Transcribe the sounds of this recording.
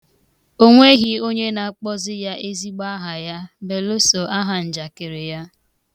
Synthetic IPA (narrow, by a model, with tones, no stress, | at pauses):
o˦ŋʷe˦ɣi˨o˦ɲe˦na˨a˦˨k͡pɔ˦zɪ˦ja˦ʔe˦zi˦ɡ͡ba˦ɦa˨ja˦be˨lo˦so˨ʔa˦ɦa˨n̩˨d͡ʒa˨kɪ˨ɾɪ˨ja˦